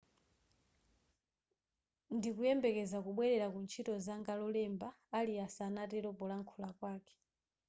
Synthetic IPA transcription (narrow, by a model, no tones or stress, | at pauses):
ndikujɛmbɛkɛzakuɓwɛɾɛɾakunt͡ʃʰitɔzaŋɡalɔlɛmbaːliasanatɛɾɔpɔlaŋkʰulakwaːkɛ̥